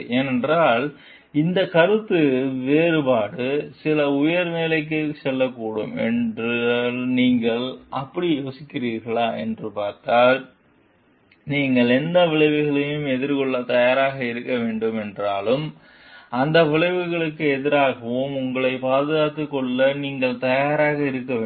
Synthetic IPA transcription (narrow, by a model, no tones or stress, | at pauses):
eːnɛndraːl | ɪnd̪ɐkɐɾɯt̪ːɯʋeːɾɯpaːɽɯsɪlɐʊjɐɾmeːlɐɪk̬ːɯsɛlːɐkːuːɽɯmɛ̰ndrɯlniːŋɡɐɭɐpːɐɽijoːsɪkːɪriːɾɣɐɭaːʔɛndrɯpaːɾt̪aːɾ | niːŋɡɐɭɛnd̪ɐʋɪɭɐɪʋɯɣɐɭɐjɯmɛðɪɾkɔɭːɐt̪ɐjaːɾaːɣɐɪɾɯkːɐʋeːɳɖɯmɛndraːlɯm | ɐnd̪ɐʋɪɭɐɪʋɯɣɐɭɯkːɯɛðɪɾaːɣɐʋomʊŋɡɐɭɐɪpaːðɯɣaːt̪ːɯkːɔɭːɐniːŋɡɐɭt̪ɐjaːɾaːɣɐɪɾɯkːɐeː